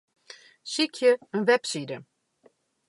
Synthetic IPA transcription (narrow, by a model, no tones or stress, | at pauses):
sikʰjəənʋɛpsidə